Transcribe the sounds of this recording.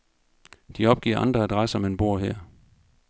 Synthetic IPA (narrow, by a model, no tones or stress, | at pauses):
d̥iɒ̽b̥̚ɡ̥ḭːɐ̰ʔɑ̈nd̥ʁɐæd̥ʁasəɒ̽menb̥o̝ɐ̰ɦeɐ̰